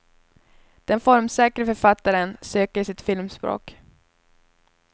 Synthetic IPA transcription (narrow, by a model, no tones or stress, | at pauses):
d̪̥ɛnfɔɾmsɛːkɾəfœɾfat̪ːaɾənsøːkəsɪt̪fɪlmsbɾo̰ːk